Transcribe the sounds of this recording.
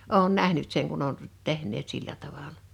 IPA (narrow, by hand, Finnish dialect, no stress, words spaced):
oˑun næhnyt seŋ kun on tehnˑeːt silːæ tɑʋɑlɑ